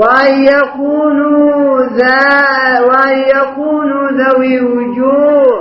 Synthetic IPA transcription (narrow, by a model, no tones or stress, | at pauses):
wajakuːnuða | wajakuːnuðawiud͡ʒuː